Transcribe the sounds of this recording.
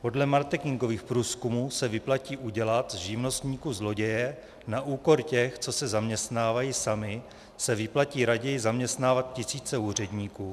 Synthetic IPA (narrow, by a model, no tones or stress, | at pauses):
po̞dlɛmaɾk̪ɛkɪŋɡo̞viːxpɾuːskumuːsɛvɪplaciːʔuɟɛlat̪zʒɪvno̞st̪ɲiːkuzlo̞ɟɛjɛ | naʔuːko̞ɾcɛxt͡so̞sɛzamɲɛst̪naːvajisamɪ | sɛvɪplaciːɾaɟɛjɪzamɲɛst̪naːvat̪̚cɪsiːt͡sɛuːr̝ɛdɲiːkuː